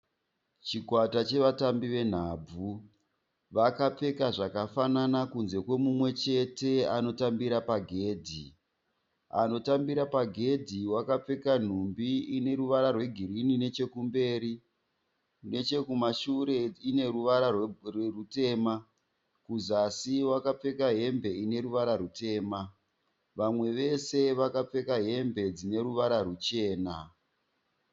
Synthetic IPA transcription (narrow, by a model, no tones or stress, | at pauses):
t͡ʃikwatat͡ʃe̞ʋatambiʋe̞n̤aːb͡vu | ʋakap͡fe̞kaʐakafananakunze̞kwe̞mumwe̞t͡ʃe̞te̞ano̞tambiɾapaɡʱe̞ːdʱi | a̰no̞tambiɾapaɡʱe̞dʱiwakap͡fe̞kan̤umbiine̞ɾuʋaɾarwe̞ɡʱirinine̞t͡ʃe̞kumbe̞ːɾi | ne̞t͡ʃe̞kumaʃuɾe̞ine̞ɾuʋaɾarwrerute̞ːma | kuzasiwakap͡fe̞kaɦe̞mbe̞ine̞ɾuʋaɾarute̞ːma | ʋamwe̞ʋe̞se̞ʋakap͡fe̞kaɦe̞mbe̞d͡zine̞ɾuʋaɾarut͡ʃe̞ːna